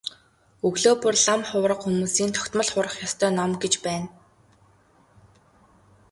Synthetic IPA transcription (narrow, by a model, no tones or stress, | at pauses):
ɵɣɮoːpurɮamχʊːɾə̆qxumuːsiːnt̪ʰɔ̥kʲt̪mə̆ɮχʊːɾə̆χjɔst̪ʰœːnɔmɡet͡ɕpæːn